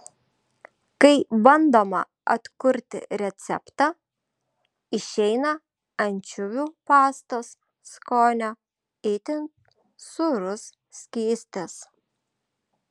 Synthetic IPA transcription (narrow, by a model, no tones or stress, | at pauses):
kɐɪbɐnd̪oːmɐ̰ | ɐ̰t̪kʊɾʲt̪ʲɪ̰ɾʲɛt̪sʲɛ̰pt̪ɑ | ɪʃʲɛɪnɐ | ɐnʲt͡ʃʲʊʋʲuːpɑːst̪os | skoːnʲo | ɪt̪ʲɪn | sʊɾʊs | sʲkʲiːsʲt̪ʲɛs